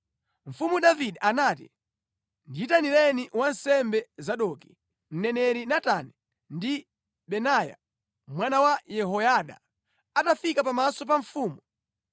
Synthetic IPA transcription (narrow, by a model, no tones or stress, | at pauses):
ɱ̩fumuɗaviɗiʔanaːtḭ | ndiitanilɛniwansɛmbɛzaɗɔki | n̩nɛnɛɾinatanɛ | ndi | ɓɛnaːja̰ | mwanawajɛɦɔjaɗa̰ | atafikapamasɔp̬aɱfuːmu